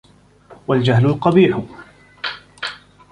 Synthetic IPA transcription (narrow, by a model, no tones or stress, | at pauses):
wald͡ʒahlʊlqɑbiːħʊ